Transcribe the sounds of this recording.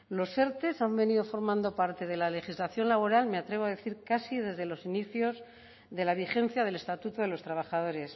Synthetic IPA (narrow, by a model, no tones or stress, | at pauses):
lo̞se̞ɾt̪e̞sambe̞niðofo̞ɾmãnd̪o̞paɾt̪e̞ð̞e̞lale̞xizlaθjo̞nlaβ̞o̞ɾalme̞at̪ɾe̞β̞oaðe̞θiɾkasið̞e̞zðe̞lo̞siniθjo̞z | ðe̞laβixe̞n̟θjað̞e̞le̞st̪at̪ut̪oðe̞lo̞st̪ɾaβ̞aχað̞o̞ɾe̞s